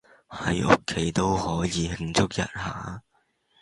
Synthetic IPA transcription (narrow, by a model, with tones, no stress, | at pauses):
hɐ˨˥jʔʊ̰˥kʰːe˨˥jt̪o˥whɔː˨˥jiː˨˧hɪ˧ŋt͡sʊ˥k̚jɐ̰˨t̚ha̰ː˨˥